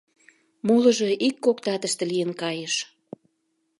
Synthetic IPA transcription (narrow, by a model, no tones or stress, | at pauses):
molə̆ʒeikːokt̪ɑt̪əʃt̪ĕlijənkɑjəʃ